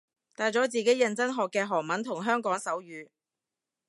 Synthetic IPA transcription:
t̪aː˨jt͡sɔː˨˥t͡siː˨ke˨˥jɐ˧nt͡sɐ˥nɦɔː˨kːɛː˧ɦɔː˨˩ŋmɐ˨˥nt̪ʰʊ˨˩ŋɦœː˥ŋkɔː˨˥ŋsɐ˨˥wjyː˨˧

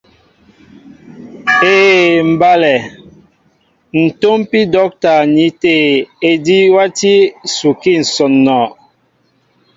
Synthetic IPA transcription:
eː˦˨m̩˨ba˦lɛ˨ | n̩˨to˦mpi˦dɔ˨˦k̚ta˨ni˨˦te˦˨e˨di˦wa˦ti˦su˨ki˦˨n̩˨sɔ˨nːɔ˨

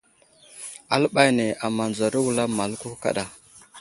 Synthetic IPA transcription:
a̰˦lɓa˦jne˨a˨ma˨nd͡za˨ɾi˦wu˨la˦ma˨lku˦ka̰˦ɗa˨

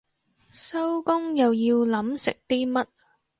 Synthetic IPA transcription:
sɐ˥wkʊ˥ŋjɐ˨wjiː˧wlɐ˨˥msɪ̰˨k̚t̪iː˥mɐ˥t̚

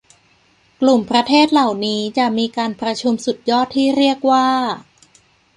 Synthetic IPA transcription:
klu˨˩mpʰɾa˧t̪ʰeː˥˩t̪̚la˨˩wniː˦˥t͡ɕa˨˩ʔmiː˧kaː˧npɾa˧t͡ɕʰu˧msu˨˩t̪̚jɔː˥˩t̪ʰːiː˥˩ɾi˥˩ək̚waː˥˩

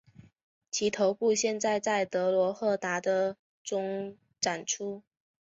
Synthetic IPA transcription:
t͡ɕʰi˧˥t̪ʰo˧˥ʊpu˥˧ɕjɛ˥˧nt͡sa˥˧ɪt͡sa˥˩ɪt̪ɤ˧˥lwɔ˧˥xɤ˥˩t̪a˧˥d̪ə˧ | ʈ͡ʂʊ˥ŋ | ʈ͡ʂa˨˩nʈ͡ʂʰu˥

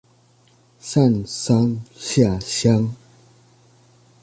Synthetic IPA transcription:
sa˥˨nsa˦ŋɕja˥˧˨ɕja˦ŋ

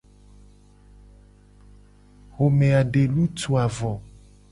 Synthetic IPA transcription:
ɣo˨mẽ˨a˨ɖe˨lu˦tu˨a˨vɔ˨

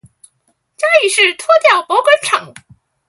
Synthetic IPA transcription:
t͡ɕja˥y˥˩ʂɻ̩˥˩t̪ʰwɔ˥t̪jɑ˥˩ʊpwɔ˧˥kwə˧˥nʈ͡ʂʰɑ˨˩˦ŋ

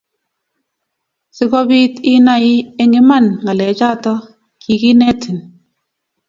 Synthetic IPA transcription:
sɪ˦kɔ˦bi˦tɪ˦na˦ɪ˦e˦ŋɪ˦ma˦˨nŋa˨lɛ˨˦t͡ʃa˦tɔ˦ | kʰi˨ki˦nɛ˦tɪ˨n

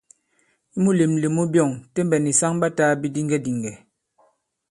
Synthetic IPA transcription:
i˦mu˦le˨mli˨mu˦bjɔ˦˨ŋte˦m˦bɛ˨ni˨sa˦ŋba˦ta˦bi˦di˦ŋɡɛ˦di˨ŋɡɛ˨

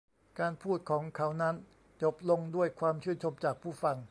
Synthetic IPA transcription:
kaː˧npʰuː˥˩t̪̚kʰɔː˩˦ŋkʰa˩˦˥wna˦˥n | t͡ɕo˨˩p̚lo˧ŋdu˥˩əjkʰwaː˧mt͡ɕʰɯ˥˩nt͡ɕʰo˧mt͡ɕaː˨˩k̚pʰuː˥˩fa˧ŋ

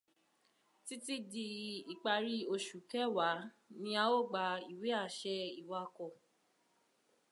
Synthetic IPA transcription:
ti˦ti˦di˧i˨k͡pa˧ɾi˧o˧ʃu˨kɛ˦wa˨˦ | nĩ˧a˧o˦˨ɡ͡ba˧i˨we˨˦a˦˨ʃɛ˧i˨wa˧˦kɔ˧˨

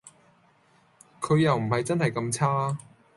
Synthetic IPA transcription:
kʰɵ˨˧ɥjɐ˨wm̩˨˩hɐ˨jt͡sɐ˥nhɐ˨˩jkɐ˧mt͡sʰaː˥

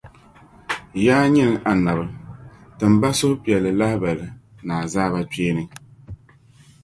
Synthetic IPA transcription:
jaː˦ɲi˦nɨ˨˦ʔa˨na˨bɨ˨tɨ˨m˨ba˦sʊ˦hʊ˦pi˨ɛ˨lːɨ˨la˦hɪ˦ba˨lɨ˨ | naː˨zaː˦ba˦pe˦nɨ˦

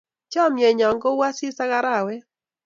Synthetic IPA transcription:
t͡ʃɔ˦˨mje˨ɲɔ˨ŋɡɔ˦wa˦sɪ˦sa˦ɣa˦ɾa˦˨wɛ˦

